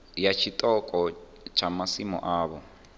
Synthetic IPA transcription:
jat͡ʃʰitʼɔkʼɔ | t͡ʃʰamasimɔ̰ʔaːβɔ

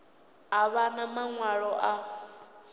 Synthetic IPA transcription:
aβanamaŋwaɺɔʔa

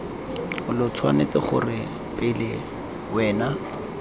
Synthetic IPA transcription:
ʊlʊt͡sʰwa̰net͡sɪχʊ̰rɪ | pʼɪlɪ | wɛːna

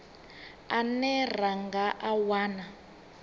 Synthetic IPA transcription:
anɛr̤aŋɡaʔawaːna

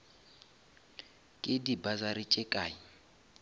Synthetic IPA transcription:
kʼɪdibazaɾit͡ʃʼɛkʼaːji

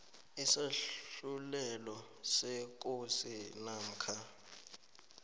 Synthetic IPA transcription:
ɛsaɬulɛlɔ | sɛk̬ʼosinam̩kʰa

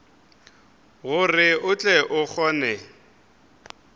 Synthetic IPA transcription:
ɣʊrɪʊt͡ɬʼɛʔʊk͡xʰɔːnɛ

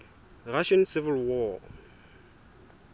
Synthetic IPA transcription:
raʃansɪvɪlwɔ

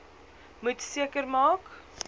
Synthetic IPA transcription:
mutsiəkərmɑːk

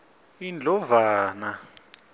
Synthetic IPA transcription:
ind͡ɮʱɔvaːna

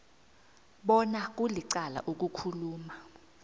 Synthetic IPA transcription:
ɓɔnak̬uliǀala̰ʔok̬ukʰuluːma

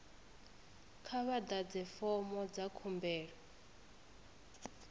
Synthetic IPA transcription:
kʰaβad̪ad͡zɛfɔmɔd͡zakʰumbɛːɺɔ

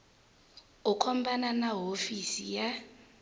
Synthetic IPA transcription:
ukʰɔmbananaɦofisija

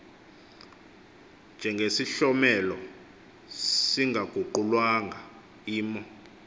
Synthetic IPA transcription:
nd͡ʒʱɛŋɡʱesiɬɔmɛlɔ | siŋɡʱaɡ̥ʱuǃulwaŋɡʱa | iːmɔ

